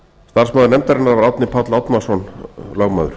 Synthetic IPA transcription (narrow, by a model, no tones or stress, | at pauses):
st̪arsmaðʏɾnɛmt̪aɾɪnːaɾvaɾawt̪nɪpʰat̪lawt̪masɔnlœɣmaːðʏ̰ɾ̥